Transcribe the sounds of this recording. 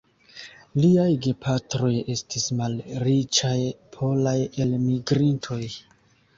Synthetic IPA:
liajɡe̞pʰatɾo̞je̞stismalɾit͡ʃajpʰo̞laje̞lmiɡɾintʰo̞j

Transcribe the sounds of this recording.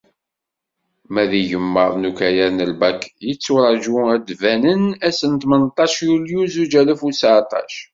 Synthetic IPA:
mæðiʝəmːəɾˤnukæjæɾnəlbækjət͡sːuɾˤɑʒuæd̪vænənæsənt̪mənt̪ˤːɑʃjuljuzud͡ʒæləfusʕt̪ˤɑ̰ʃ

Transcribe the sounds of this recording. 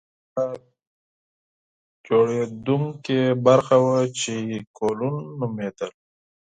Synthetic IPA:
a | d͡ʒoɽed̪uŋkebaɾxawat͡ʃikolunːumed̪əl

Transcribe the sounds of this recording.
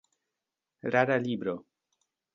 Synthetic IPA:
ɾaɾalibɾo

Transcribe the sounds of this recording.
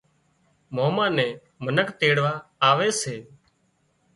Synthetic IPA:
moːmãːnɛ̃ː | mənəkt̪eːɽʋaːaːʋeːseː

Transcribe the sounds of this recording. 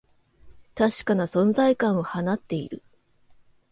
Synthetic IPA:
t̪aɕi̥kanasõ̞nzaikãɰ̃o̞hanat̪ːe̞ḭɾɯ̟

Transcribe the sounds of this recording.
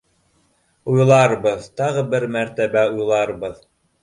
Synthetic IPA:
ujlˠɑɾbɤðt̪ɑʁɤbɘɾmæɾt̪æbæujlˠɑɾbɤð

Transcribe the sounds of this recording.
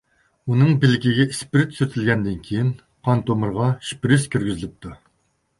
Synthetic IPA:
unɨŋbɪlɪɡʲiɡʲɛispɪɾɪt̪ʰsyɾt̪ʰɪlʲɡʲɛnd̪ɪnkʲʰejin | qʰɑnt̪ʰomɨɾʁɑʃpɾɪskʲʰyɾɡʲyzɪlɪp̚t̪ʰu

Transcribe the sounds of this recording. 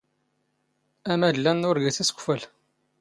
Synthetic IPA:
æmædlːænːʊɾɡæθæsə̥kʷfæl

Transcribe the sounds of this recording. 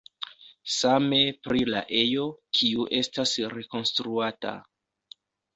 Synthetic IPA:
same̞pɾila̰ʔe̞jo̞kʰiuʔe̞stasɾe̞ko̞nstɾuata̰

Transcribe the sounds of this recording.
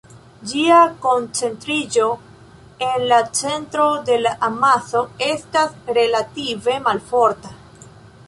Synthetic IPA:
d͡ʒiako̞nt͡se̞ntɾid͡ʒo̞ | e̞nlat͡se̞ntɾo̞de̞laʔːmaso̞e̞stasɾe̞lative̞malfo̞ɾta

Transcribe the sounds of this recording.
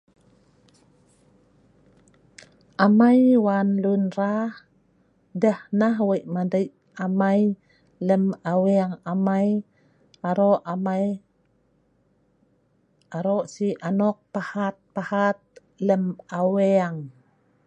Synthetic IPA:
ʔamajwanlunɾah | dəhnaɦwəʔmadəj | amaj | ləmaweaŋamaj | aɾoʔmaj | aɾoʔsiʔanɔk̚pahat̪̚pahat̪̚ | ləmaweaŋ

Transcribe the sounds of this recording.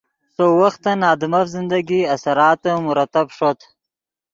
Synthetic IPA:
sowaxt̪ːanɑːd̪ɪmafzɪnd̪aɡiasaɾɑːt̪əmʊɾat̪abʂot̪

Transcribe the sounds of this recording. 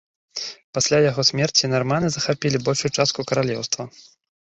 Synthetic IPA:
pasʲlʲajaɣɔsʲmʲɛrt͡sʲinarmanɨzɐxapʲilʲibɔlʲʂujut͡ʂast̪̚kukɐɾalʲɛ̰wst̪vɐ

